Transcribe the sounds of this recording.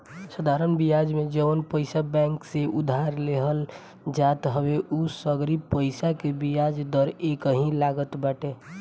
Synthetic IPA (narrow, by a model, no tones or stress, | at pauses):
səd̪ʱaɾənbijad͡ʒmẽd͡ʒəənpəɪsabɛ̃ŋkseʔud̪ʱaɾleɦəl | d͡ʒat̪ɦəweʔusəɡɾipəɪsakebijad͡ʒd̪əɾekəɦĩlaɡət̪baːʈe